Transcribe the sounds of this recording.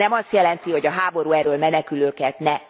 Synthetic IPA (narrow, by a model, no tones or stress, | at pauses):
ɛmɒst̪jɛlɛnt̪iho̞ɟɒɦaːbo̞ɾuːɛrøːlmɛnɛkyløːkɛt̪nɛ